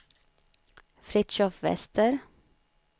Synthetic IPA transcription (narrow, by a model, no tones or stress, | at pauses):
fɾɪt̪ʃɔfʋɛ̰st̪ʰəɾ